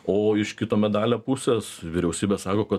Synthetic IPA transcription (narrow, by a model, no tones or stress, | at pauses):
oːɪʃkʲɪt̪oːmʲɛd̪ɑːlʲoːpʊsʲeːsʋʲɪɾʲɛʊsʲiːbʲesɑːkoːkɐ